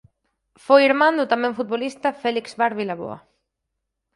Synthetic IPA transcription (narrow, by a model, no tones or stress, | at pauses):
fojiɾmãnd̪ʊt̪amɛ̃ŋfut̪̚βolist̪ɐfɛlikzβaɾβilaβo̰ɐ̰